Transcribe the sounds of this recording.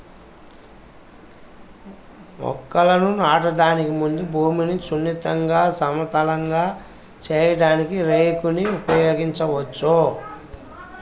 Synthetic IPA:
mɔ̰kːɐlɐnunaːʈɐɖaːnikimund̪ubʱuːminisunːit̪ɐŋɡaːsɐmɐt̪ɐlɐŋɡaː | t͡ʃɛːjɐɽaːnikiɾeːkuniupɐjoːɡiɲt͡ʃɐʋɐt͡ʃːo

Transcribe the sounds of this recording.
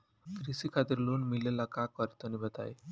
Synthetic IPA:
kɾisikʰat̪iɾlunmilelakakɔɾit̪ɔnibət̪a̰j

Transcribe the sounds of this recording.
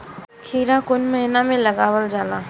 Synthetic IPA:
kʰiːɾãkʊnməɦɪnamẽləɡaːwəld͡ʒaːlaː

